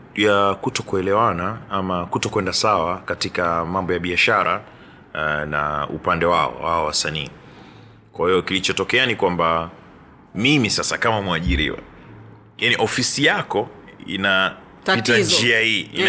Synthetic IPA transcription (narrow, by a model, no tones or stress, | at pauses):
jakutɔkuɛlɛwanaamakutɔkwɛndasawakatikamambɔjaɓiaʃaɾa̰ | na̰ṵpandɛwaɔ̰waɔwasaniː | kwahijɔkilit͡ʃɔtɔkɛanikwamba | mimisasakamamwaʄiɾḭwa̰ | janiʔɔfisijakɔḭna | itand͡ʒiahiːʔḭn